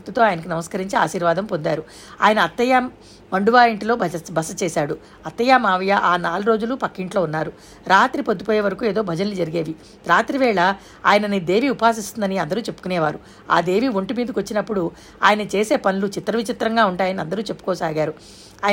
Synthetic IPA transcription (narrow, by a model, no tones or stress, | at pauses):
t̪ut̪o̞ːaːjɐnɐk̬inɐmɐskɐɾiɲt͡ʃia̰ːʃiːɾʋaːd̪ɐmpond̪aːɾu | aːjɐnɐːt̪ːɐjaːmː | ɐɳɖuʋaːeɳʈilo̞ːbɐsɐt͡ʃɛːsaːɽu | ɐt̪ːɐjaːmaːʋɐjɐʔaːnaːluɾo̞ːd͡ʒulupɐkːiɳʈlo̞ːunːaːɾu | ɾaːt̪ɾipot̪ːupoːjeːʋɐɾɐkuːeːd̪o̞ːbʱɐd͡ʒɐnlid͡ʒɐɾiɡeːʋi | ɾaːt̪ɾiʋɛːɭɐ | aːjɐnɐnid̪e̞ːʋiːupaːs̬ist̪und̪ɐniɐnd̪ɐɾuːt͡ʃe̞pːu̥kunɛːʋaːɾu | a̰ːd̪e̞ːʋiːʋo̞ɳʈimiːd̪ɐkʋot͡ʃːinɐpːuɽu | a̰ːjɐnɐt͡ʃeːse̞ːpɐnulut͡ʃit̪ɾɐʋit͡ʃit̪ɾɐŋɡaːuɳʈaːjɐniɐnd̪ɐɾuːt͡ʃe̞pːukoːsaːɡaːɾu | aːj